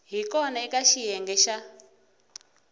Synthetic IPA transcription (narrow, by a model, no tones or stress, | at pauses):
ɦikɔnaikaʃijɛŋɡɛʃa